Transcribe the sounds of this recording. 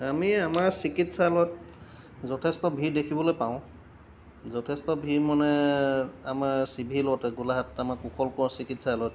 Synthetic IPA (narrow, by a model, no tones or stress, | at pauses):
amiamaɹsikitsalɔt̚ | zɔtʰɛstɔbʱiɹdekʰibɔlojpaʊ̃ | zɔtʰɛstɔbʱiɹmanɛ | amaɹsibʱilɔtɛɡulaɦatamakukʰɔlkɔɹsikitsalɔt